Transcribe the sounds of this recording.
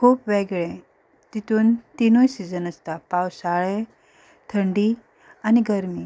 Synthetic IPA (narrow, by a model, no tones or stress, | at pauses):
kʰuːpʋeɡɭẽ | t̪it̪uːnt̪inojsid͡zənəst̪apawsaɭe | t̪ʰəɳɖi | aniɡəɾmiː